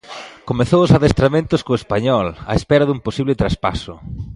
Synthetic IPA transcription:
komeθowʊsaðest̪ɾamẽnt̪ʊskoespaɲɔla̰espɛɾaðumposiβlɪt̪ɾaspa̰sʊ̰

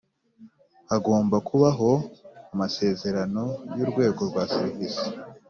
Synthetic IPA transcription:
aɡo̞ːmbakʰuβaɦo̞amase̞ːze̞ɾano̞juːɾɡwe̞ːɡo̞ɾɡwaːsiɾivisi̥

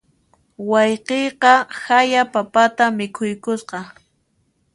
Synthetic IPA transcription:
wɑjqejqɑhajapapat̪amɪkʰʊjkʊsqɑ

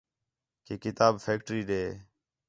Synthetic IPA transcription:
keːkɪt̪aːbfʰeːk̚ʈɾiːɗeː

